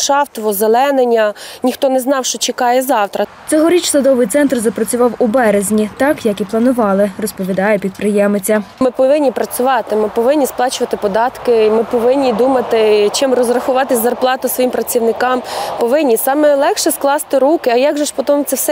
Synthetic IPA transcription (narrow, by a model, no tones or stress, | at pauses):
ʃɑft̪ɔʋɔzelˠɛnenʲɐnʲixt̪ɔnɛznɑwʃt͡ʃɔt͡ʃɪkɑjɛzɑwt̪ɾɐ | t͡s̪ʲɔɦɔɾʲit͡ʃsˠɐd̪ɔʋɪjt̪sɛnt̪rzɐpɾɐt͡sʲʊʋɑwubɛɾezʲnʲit̪ɑkjɐkiplˠɐnʊʋɑlˠɪrɔspɔʋʲid̪ɑjɛpʲid̪̚pɾɪjɛmɪt͡sʲːɐmɪpɔʋɪnʲːipɾɐt͡sʲʊʋɑt̪ɪmɪpɔʋɪnʲːisplˠɑt͡ʃʊʋɐt̪ɪpɔd̪ɑt̪kɪmɪpɔʋɪnʲːid̪umɐt̪ɪt͡ʃɪmrɔzrɐxʊʋɑt̪ɪzɐrplˠɑt̪ʊsʋɔjimpɾɐt͡sʲiwnɪkɑmpɔʋɪnʲːisɑmɛlˠɛkʃɛsklˠɑst̪ɪɾukɪɐjɑɡʒɛʃpɔt̪ɔmʊt͡sʲɛwsɛ